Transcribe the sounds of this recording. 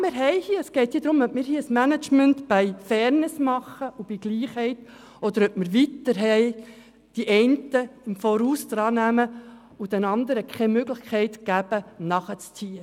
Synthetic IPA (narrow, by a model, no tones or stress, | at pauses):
mɪːɾɦɛɪhiəəsɡ̥ɛɪt̪jiːd̪ɾʊmœp̚mɪːɾhiːəəsmænət͡ʃmæntb̥ɛɪfɛɾnɪsmɑχəʔub̥iɡ̥liːχhɛɪt | ɔd̪əɾœp̚məɾʋitːəɾɦɛɪ | d̥iʔɛɪntəɪmfoːɾuːsd̥ɾɑːnæmə | ʊd̥ɛnɑnd̪əɾəkʰɛmøɡlɪχkʰɛɪtɡ̥æb̥ənɑχət͡st͡siːə